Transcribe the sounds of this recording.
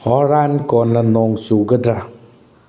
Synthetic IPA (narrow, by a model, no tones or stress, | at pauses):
hɔɾankɔnlanɔŋsuɡədɾa